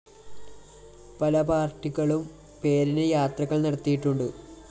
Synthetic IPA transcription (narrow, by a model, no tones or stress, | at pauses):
pɐlɐpaːrʈːiɣɐɭum | pe̞ːɾinɨjaːt̪rɐɣːɐɭnɐɽɐt̪ːijiʈːuɳɖɨ